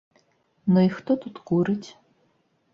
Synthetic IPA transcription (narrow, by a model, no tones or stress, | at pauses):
nɔixt̪ɔt̪ut̪kuɾɨtʲ